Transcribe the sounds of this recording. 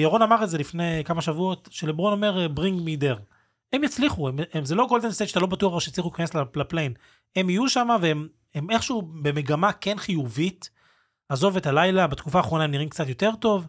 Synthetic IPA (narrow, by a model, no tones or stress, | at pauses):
jaʁonamaʁetzelifne̞kamaʃavuo̞tʃelebʁono̞me̞ʁbʁiŋɡmideʁ | e̞mjat͡sliχuememzelo̞ɡold̪enseʃatalo̞batuaχaʃejat͡sliχulikaneslalaplejn | e̞mijuʃamaveem | emeχʃube̞me̞ɡamake̞nχijuvit | azo̞vetalajlabat̪kufaːχʁo̞naemniʁimkt͡satjo̞te̞ʁto̞v